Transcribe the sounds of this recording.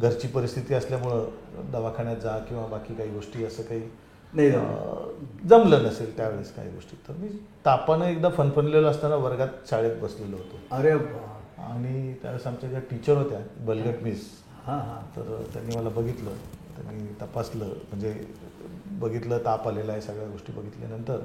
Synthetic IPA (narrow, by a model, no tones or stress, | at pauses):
ɡʱəɾt͡ɕiːpəɾist̪ʰit̪iːəsljamuɭəd̪əʋakʰaɳjat̪̚d͡zakĩw̃ʋabakiːkaɦiːɡoʂʈiːəsəːkaɦiː | naj | d͡zəmlənəselt̪jaʋeɭeska̰ɦḭːɡo̰ʂʈiːt̪əɾmiːt̪apanəek̚d̪afənfənleləəst̪anaʋəɾɡat̪̚t͡ɕaɭet̪̚bəsleləɦot̪oəɾeəba̰ɽ̃it̪ja̰ʋeɭesamt͡ɕad͡ʑaʈit͡ɕəɾɦot̪jabəlɡəʈmiːs | hãɦãt̪ə̰ɾt̪ja̰nːiːməlabəɡʱit̪lə̰t̪ja̰nːiːt̪əpasləm̤əɳd͡ze | bəɡʱit̪ləːt̪apalelaesəɡɭjaɡoʂʈiːbəɡʱit̪ljḛnənt̪əɾ